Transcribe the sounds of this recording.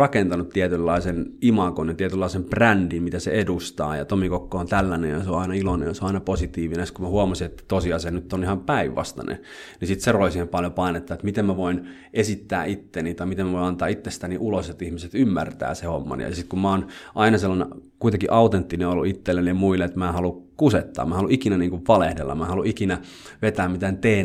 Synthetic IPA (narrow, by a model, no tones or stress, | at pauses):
rɑkent̪ɑnut̪t̪iet̪ylːɑisenimɑkonjɑt̪iet̪ylːɑisemprændimmit̪æsḛedust̪ɑ̰ːjɑ̰t̪omikokːoːnt̪ælːænḛjɑseoɑinɑilonḛjɑseoɑinɑposit̪iːʋinest̪kumæhuɑmɑsiet̪ːæ̥t̪osiɑsɑnnyt̪ːonihɑmpæiʋʋɑ̰st̪ɑ̰nḛ | nisit̪seroisiːhempɑljopɑinet̪ːɑet̪mit̪emmæʋoin | ʔesit̪ːæ̰ːʔit̪ːenit̪ɑimit̪emæʋoiɑnt̪ɑ̰ːit̪ːest̪æniʔuloset̪ihmiset̪ymːært̪æ̰ːsehomːɑ̰n̰jɑ̰ɑsit̪kummæoːnʔɑinɑselːɑnḛkuit̪eŋkiʔɑut̪ent̪ːineolṵit̪ːelːenemuilːeet̪mæːhɑlukuset̪ːɑ̰ːmæːhɑluʔikinæniːŋkuʋʋɑlehdḛlːɑ̰mmæhɑluikinæ | ʋet̪æːmmit̪ænt̪eː